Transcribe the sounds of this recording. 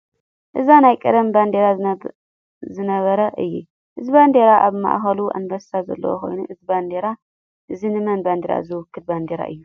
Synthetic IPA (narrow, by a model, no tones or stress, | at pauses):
ʔɨzanajkʼɐd̪ɐmband̪eɾa | zɨnɐβɐɾɐʔɨjːṵ | ʔɨzband̪eɾaʔaβma̰ʔxɐluʔa̰nbɐst̪ʰazɐ̰lːɐ̰wo̰kʰo̞̰jnuʔɨziband̪eɾa | ʔɨzinɨmɐnband̪eɾa̰zɨwʊkːɨt̪̚band̪eɾa̰ʔɨjːu